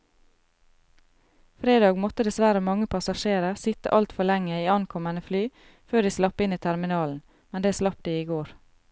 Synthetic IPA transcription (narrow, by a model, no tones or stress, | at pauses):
fɾeːd̪ɑːɡmɔt̪əd̪ɛsʋæɾəmɑŋəpʰɑsɑʃeːɾəsɪt̪ə̰ʔɑlt̪fɔɭɛŋəiːɑnkʰɔmənəflyː | føːd̪iːslɑpəɪniːt̪ʰæɾmɪnɑːln̩ | mɛnd̪eːæːslɑp̚d̪iːiːɡoːɾ